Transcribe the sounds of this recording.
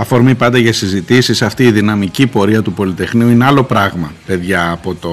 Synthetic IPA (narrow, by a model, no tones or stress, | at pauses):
ɐfo̞ɾmipɐnd̪ɐʝɐsizit̪isisɐft̪iːðinɐmicipo̞ɾiɐt̪upo̞lit̪e̞xniuine̞ɐlo̞pɾɐɣmɐpe̞ðʝɐːpo̞t̪o